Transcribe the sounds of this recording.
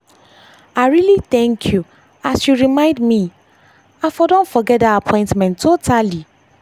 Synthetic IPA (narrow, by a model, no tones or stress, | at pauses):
aɪɹiliθɛ̃ŋkʰju | asjuɹimãɪ̃ndmĩ | afɔdõnfɔɡɛt̚daapʰɔ̃ɪ̃ntmɛ̃ntʰːotʰali